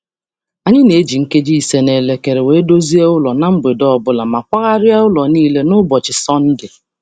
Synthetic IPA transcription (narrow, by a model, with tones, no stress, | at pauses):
a˨ɲɪ˦ne˨e˦d͡ʒi˨ŋ̩˦ke˦d͡ʒi˦i˨se˨ne˨le˨ke˨ɾe˨we˨˦do˦zi˦e˦ʊ˦lɔ˨na˨m̩˦be˨dɔ˦ɔ˨bʊ˦la˨ma˨kʷa˦ɣa˦ɾja˦ʊ˦lɔ˨niː˦le˦nʊ˦bɔ˨t͡ʃɪ˨sɔ˦n̩˦dɪ˨